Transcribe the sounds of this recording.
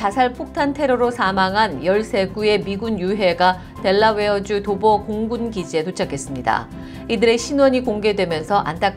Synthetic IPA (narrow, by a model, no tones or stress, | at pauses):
t͡ɕasʰaɭpʰok̚tʰantʰe̞ɾʌɾosʰamaŋɦanjʌɭsʰe̞ɡue̞miɡunjuɦe̞ɡa | te̞ɭːawe̞ʌd͡ʑutobʌkoŋɡunɡid͡ʑie̞t̬ʰot͡ɕʰakʰe̞s͈ɯmɲida̰ | idɯɾe̞ɕʰinwʌɲikoŋɡe̞dwe̞mjʌnsʰʌʔa̰nt͈ak